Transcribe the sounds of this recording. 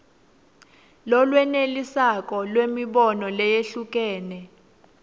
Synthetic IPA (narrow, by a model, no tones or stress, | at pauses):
lɔlwɛnelisak̬ʼɔlwemiɓɔnɔlɛjeɬuk̬ʼɛːnɛ